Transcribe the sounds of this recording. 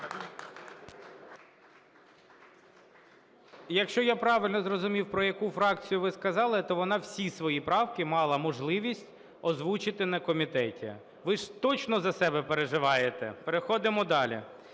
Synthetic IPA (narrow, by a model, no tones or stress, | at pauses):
jɐkʃt͡ʃɔjapɾɑʋɪlʲnɔzrɔzʊmʲiwpɾɔjɐkufɾɑkt͡sʲijʊʋɪskɐzɑlˠɪt̪ɔʋɔnɑwsʲisʋɔjipɾɑwkɪmɑlˠɐmɔʒlˠɪʋʲisʲtʲ | ɔzʋut͡ʃɪt̪ɪnɐkɔmʲit̪ɛtʲḭ | ʋɪʒt̪ɔt͡ʃnɔzɐsɛbɛpeɾeʒɪʋɑjet̪ɛ̰peɾexɔd̪ɪmɔd̪ɑlʲḭ